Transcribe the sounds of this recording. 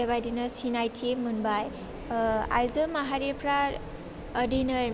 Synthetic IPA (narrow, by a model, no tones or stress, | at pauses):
ʌβajdinʌsinajtʰiemunbaj | a̰lzʌmaɦaɾepʰɾa | ʌdʱinʌ